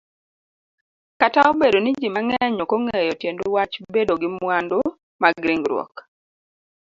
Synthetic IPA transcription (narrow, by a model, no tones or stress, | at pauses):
kataobedonid͡ʒimaŋɛɲɔkoŋɛjɔtjendowat͡ʃbedoɡɪmwando | maɡɾiŋɡɾwɔ̰k